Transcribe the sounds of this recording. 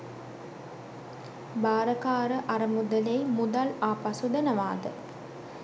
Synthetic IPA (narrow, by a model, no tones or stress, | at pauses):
baːɾɐkaːɾəʔɐɾɐmud̪ɐlejmud̪ɐlaːpɐsud̪ɐnɐʋaːd̪ə̰